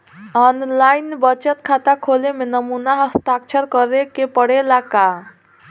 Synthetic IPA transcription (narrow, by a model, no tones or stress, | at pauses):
ɔnlajnbət͡ʃət̪kʰat̪akʰolemenəmunaɦəst̪akt͡ʃʰəɾkəɾekepəɽelaka